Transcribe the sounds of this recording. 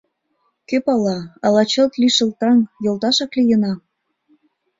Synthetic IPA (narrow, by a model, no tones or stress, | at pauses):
køpɑlɑɑlɑt͡ɕɤ̆lt̪liʃə̆lt̪ɑŋjolt̪ɑʃɑklijə̆nɑ